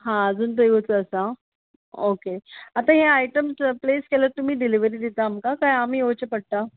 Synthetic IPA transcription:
ɦãd͡zuːnt̪əjʋət͡səəsa | okeat̪ãɦeajʈəmspleskeləɾt̪um̤iːɖiliʋəɾiːd̪it̪aːmkakajamiːot͡ɕepəɽ̚t̪a

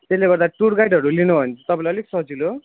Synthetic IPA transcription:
t̪esleɡʌɾd̪aʈuɽɡajɖɦʌɾulinubʱʌnt͡sʰʌ̥t̪ʌpãlʌleksʌɦd͡zilo

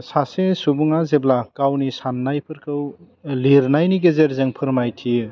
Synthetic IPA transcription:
sasesubuŋazeblakawnisanːajpʰɯɾkʰɯw | liɾnajniɡezeɾzɯŋpʰɯɾmajtʰiɯ

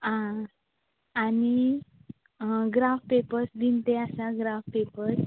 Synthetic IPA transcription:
ã | ani | ɡɾafpepəɾsd̪int̪easaɡɾafpepəɾs

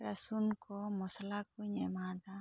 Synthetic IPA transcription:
ɾasunkɔmɔslakuɲɛmad̪a

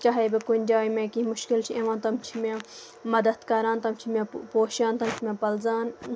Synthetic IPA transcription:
t͡ʃaːɦeːbikʊnʲd͡ʒaːimẽkimʊʃkɪlt͡ʃʰiẽʋãːt̪ɐmt͡ʃʰimẽː | mɐd̪ət̪kaːɾaːnt̪ɐmt͡ʃʰimẽːpoːʃaːnt̪ɐmt͡ʃʰimẽːpɐlzaːn

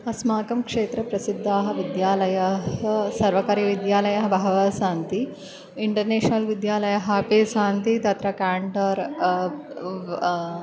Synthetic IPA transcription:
ɐsmaːkɐmkʂeːt̪ɾɐpɾɐsid̪ʱːaːɦɐ̆ʋid̪jaːlɐjɐsɐɾʋɐkaɾiʋid̪jaːlɐjɐɦɐbʱaɦɐʋɐsaːnt̪i | iɳʈɐɾneːɕnɐlʋid̪jaːlɐjɐɦaːpesaːnt̪it̪ɐt̪ɾɐkaːɳʈɐɾ

